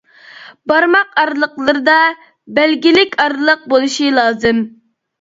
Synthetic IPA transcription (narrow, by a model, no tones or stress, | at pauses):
bɑɾmɑqɑɾlˠəqlˠəɾɨd̪ɑ | bælɡʲilɪkʲɑɾlˠəq̚bolˠuʃilˠɑːzɨm